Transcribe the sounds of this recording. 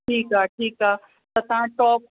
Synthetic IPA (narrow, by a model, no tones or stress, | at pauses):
ʈʰiːkaːʈʰiːkaː | sɐt̪ãːʈɔːp̚